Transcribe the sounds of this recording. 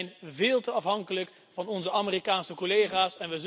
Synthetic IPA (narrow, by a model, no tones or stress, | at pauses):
jnvɪːlˠtəɑfɦɑŋkələk | vɑnɔnzəʔamirikaːnsəkolejχaːsɛnʋəz